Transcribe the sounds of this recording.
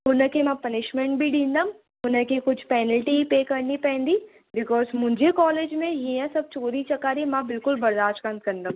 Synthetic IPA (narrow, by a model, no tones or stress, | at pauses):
ɦʊnə̃kemɛ̃pɐnɪʃmẽɳʈbʱiɖĩːnd̪am | ɦʊnə̃kekʊt͡ʃʰpɛːnəlʈiipeːkɐɾnipɛ̃ːnd̪i | bɪkɔːzmʊd͡ʒʱekɔːleːd͡ʒmẽjeɦɛ̃sɐb̚t͡ʃoːɾit͡ʃɐkaːɾimɛ̃bɪlkʊlbɐɾd̪aːd͡ʒkə̃nd̪̚kɐɾnd̪am